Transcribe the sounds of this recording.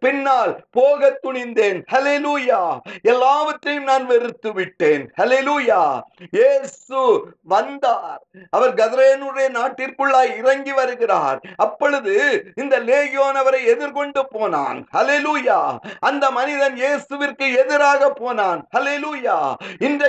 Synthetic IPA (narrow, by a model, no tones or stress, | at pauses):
pɪnːaːlpoːɣɐt̪ːʊɳɪnd̪eːnhɐleluːjaːɛlːaːʋɐʈrɐjɯmnaːnʋɛɾɯt̪ːɯʋɪʈːeːnhɐleluːjaːjeːsɯʋɐnd̪aːɾɐʋɐɾɡɐðɐɾeːnuːɾɐjɐnaːʈːɪrkɯɭːaːjɪrɐŋɡiʋɐɾɯɣɪra̰ːɾɐpːɔɻɯðɯɪnd̪ɐleːjjoːnɐʋɐɾɐɪɛðɪɾkɔɳɖɯpoːna̰ːnhɐleluːjaːɐnd̪ɐmɐnɪðɐnjeːsɯʋɪrkɯɛðɪɾaːɣɐpːoːnaːnhɐleluːjaːɪnd̪ɐ